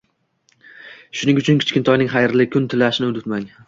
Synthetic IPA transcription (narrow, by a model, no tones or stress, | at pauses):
ʃʊnɪŋʊt͡ʃʰʊnkʲʰɪ̥t͡ʃkʲɪnt̪ʰɒjnɪŋχɑjɾlɪkʰʊnt̪ʰɪlaʃɪnɪʊd̪ɪt̪maŋ